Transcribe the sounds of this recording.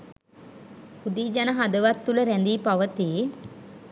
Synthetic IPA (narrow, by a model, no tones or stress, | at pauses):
pud̪iːd͡ʒanəɦad̪əʋat̪ːuləɾænd̪iːpaʋət̪iː